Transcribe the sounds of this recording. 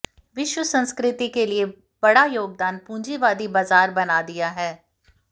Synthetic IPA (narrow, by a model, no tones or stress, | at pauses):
ʋɪʃwəsə̃nskɾɪt̪ikelie | b̥ɐɽajoːɡ̚d̪aːnpũːɲd͡ʒiʋaːd̪ibaːzaːɾbɐnad̪ijaɦɛː